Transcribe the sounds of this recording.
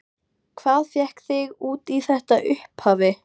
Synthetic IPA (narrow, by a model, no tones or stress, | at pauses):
kʰv̥aːðfjɛhkθɪɣuːt̪iθɛht̪aʔʏhphaːvɪ